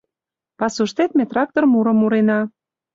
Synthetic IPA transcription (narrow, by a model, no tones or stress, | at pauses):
pɑsuʃt̪et̪̚met̪rɑk̚t̪ormuɾɤ̆muɾenɑ